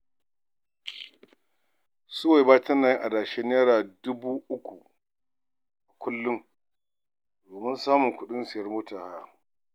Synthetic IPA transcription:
sʊ˦wa˨baː˦tɐ˦naː˨ji˦ʔa˨daː˨ʃe˦n˦e˦ɽaː˨dʊ˦buː˦ʔʊ˦kʷu˨ | ʔa˨kʷʊ˦lːʊ˦ŋ | doː˨mɪ˦nsaː˦mʊ˨ŋkʷʊ˦ɗɪ˦nsɪ˨jɐ˦rmoː˦taː˨ha˦ja˦

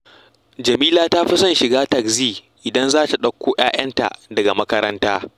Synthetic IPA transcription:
d͡ʒɐ˨miː˦laː˦ta˦ɸɪ˦sɐ˦nʃɪ˨ɡaː˦tɐ˨kziː˦ | ʔɪ˨dɐ˦nzaː˦ta˨ɗɐ˦kʷːoː˦j̰aː˦j̰ɐ˦nta̰˨ʔdɐ˨ɡa˨mɐ˦kɐ˦ɾɐ˦ntaː˦

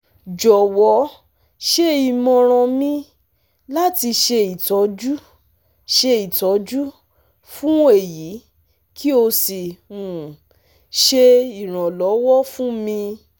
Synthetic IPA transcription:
d͡ʒɔ˨wɔ˨˦ | ʃe˦i˨mɔ̃˧ɾ̃ã˧mĩ˦ | la˦ti˧ʃe˧i˨tɔ˨˦d͡ʒu˦ | ʃe˧i˨tɔ˨˦d͡ʒu˦ | fũ˦e˦˨ji˨˦ | kʰi˦o˧si˨u˨ | ʃe˧i˨ɾ̃ã˨lɔ˨˦wɔ˦fũ˦mĩ˧

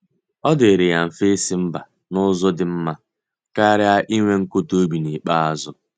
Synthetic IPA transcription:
ɔ˦dɪ˨ɾɪ˨ja˨m̩˨fe˦si˦m̩˦ba˨ | nʊ˦zʊ˦dɪ˨m̩˦ma˦ | ka˦ɾɪ˦a˦ʔi˦ŋʷe˦ŋ̩˦kʊ˦to˦bi˨ni˨k͡pa˦a˨zʊ˦

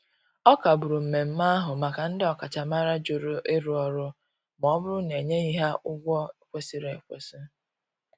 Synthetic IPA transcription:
ɔ˦ka˨bʊ˨ɾu˨m̩˨me˨m̩˦ma˦a˦ɦʊ˨ma˨ka˨n̩˦dɪ˦ɔ˨ka˨t͡ʃa˨ma˦ɾa˦d͡ʒʊ˨ɾʊ˦e˦ɾu˨ɔ˨ɾʊ˦ | m˨ɔ˦bʊ˦ɾʊ˦ne˨ɲe˦i˦ɦa˦ʔʊ˦ɡʷɔ˦e˨kʷe˦si˨ɾe˨kʷḛ˨si˦

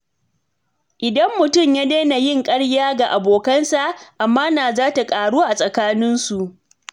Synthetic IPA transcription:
ʔɪ˨dɐ˦mːʊ˨tʊ˦˨mjaː˦neː˦na˨jɪ˦ŋkʼɐ˦ɽjaː˦ɡa˨ʔa˨boː˨kɐ˦nsa˨ʔʔa˨mːaː˦naː˨zaː˦ta˨kʼaː˨ɽuː˦ʔa˨sʼɐ˨kaː˦nɪ˦nsu˨ʔ

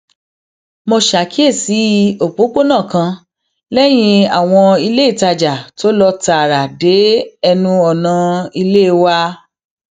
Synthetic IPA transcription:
mo˧ʃa˨˦kʰi˦e˦˨si˨˦o˨k͡po˨˦k͡po˦nã˦˨kã˧ | lɛ˦j̃ĩ˧a˨w̃ɔ̃˧i˧le˦i˦˨ta˧d͡ʒa˨to˦lɔ˧ta˨ɾa˨de˨˦ɛ˧nũ˦ɔ˨nã˨˧i˧le˦˧wa˦

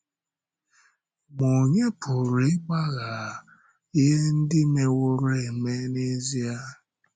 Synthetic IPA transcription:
mo˨ɲe˦pʰʊ˨ɾe˨˦ɡ͡ba˦ɣa˨ | i˦ɦe˦n̩˦dɪ˦me˨wʊ˦ɾe˨me˦ne˦zi˦a˦

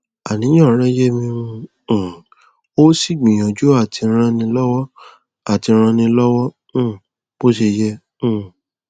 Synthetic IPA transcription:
a˨nĩ˨˦j̃ã˦˨˦ɾ̃ɛ̃˦je˦mĩ˧ũ˧˨ | o˦si˦˨ɡ͡bĩ˨j̃ã˨d͡ʒu˦a˦˨tʰi˧ɾ̃ã˧nĩ˧lɔ˦wɔ˦ | a˦˨ti˧ɾ̃ã˧nĩ˧lɔ˦wɔ̃˦˨ | bo˦ʃe˧jɛ̃˧˦˨

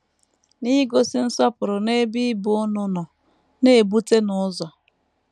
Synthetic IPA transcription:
ni˦ɡo˦si˦n̩˦sɔ˦pʊ˨ɾʊ˨ne˦bi˦bʊ˦ʊ˦nʊ˦nʊ˨ | ne˦e˨bu˦te˦nʊ˨˦zɔ˨

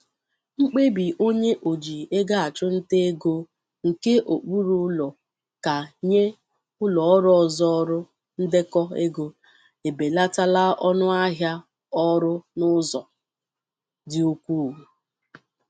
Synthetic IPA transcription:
ŋ͡m̩˦k͡pe˦bi˨ʔo˦ɲe˦ʔo˨d͡ʒi˨e˦ɡa˦a˨t͡ʃʊ˦n̩˦te˦e˦ɡo˦ | ŋ̩˨ke˦ʔo˨k͡pu˦ɾu˦ʊ˦lɔ˨ | ka˨ɲe˦ | ʊ˦lɔ˨ɔ˦ɾɔ˦ɔ˨zɔ˦ɔ˦ɾʊ˦ | n̩˦dɪ˦kɔ˦e˦ɡo˦ | e˨be˨la˦ta˦la˦ʔɔ˦nʊ˦a˦ɦja˦ | ɔ˦ɾʊ˦nʊ˦zɔ˨ | dɪ˨o˦kʷuː˦˨u˨

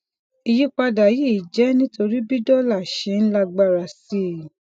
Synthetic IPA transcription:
i˧ji˦k͡pa˧da˨ji˦˨d͡ʒɛ˨˦nĩ˦to˧ɾi˦bi˦dɔ˦la˦˨ʃe˨˦n̩˦la˧ɡ͡ba˦˧˨ɾa˨si˦˨

